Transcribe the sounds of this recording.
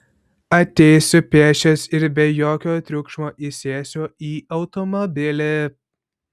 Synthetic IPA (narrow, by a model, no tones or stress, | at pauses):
ɐt̪ʲɛɪsʲʊpʲeːʃʲɛsɪɾbʲɛjoːkʲoːt̪ʲɾʲʊkʃmoːʔisʲeːsʲoiːɐʊt̪ɔmɔbʲɪlʲɪ